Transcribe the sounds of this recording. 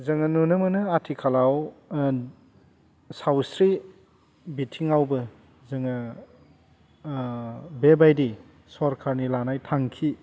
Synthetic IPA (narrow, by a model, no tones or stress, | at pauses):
zɐŋanunɯmɐnɯatʰikʰalaw | sawsɾi | bitʰiŋawbɯ | zɐŋɐ | bebajdi | sɔɾkʰaɾnilanajtʰaŋkʰi